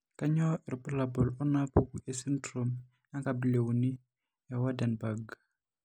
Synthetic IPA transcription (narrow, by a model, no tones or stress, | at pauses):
kaɲɔɪɾpulabɔlɔnapuɡuʔɛsintɾom | aŋkabilewuni | jawadanbaɡ